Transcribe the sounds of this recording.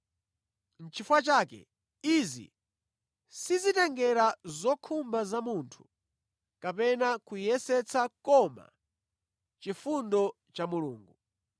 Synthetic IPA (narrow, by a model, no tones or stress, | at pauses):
n̩t͡ʃʰifwat͡ʃaːkɛ̰ | izḭ | sizitɛŋɡɛɾazɔkʰumbazamuntʰu̥ | kapɛnakujɛsɛt͡sakɔma̰ | t͡ʃifundɔ | t͡ʃamuluːŋɡu